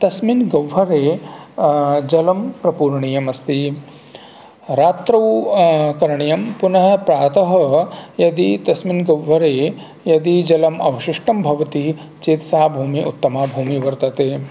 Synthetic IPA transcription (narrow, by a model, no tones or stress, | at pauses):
t̪ɐsminɡɐwɦɐɾeː | d͡ʒɐlɐmpɾɐpuːɾɳijɐmɐst̪i | ɾaːt̪ɾɐwkɐɾɐɳijɐmpunɐɦɐpɾaːt̪ɐɦɐjɐd̪it̪ɐsminɡɐwɦɐɾeː | jɐd̪id͡ʒɐlɐmɐ̰ʋɐʃiʂʈɐmbʱɐʋɐt̪i | t͡ʃeːt̪saːbʱuːmiʔut̪ːɐmaːbʱuːmiʋɐɾt̪ɐt̪eː